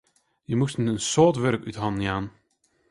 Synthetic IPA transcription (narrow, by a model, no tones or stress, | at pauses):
jəmustnɛtənsoːtʋørkytɦɑnnjaːn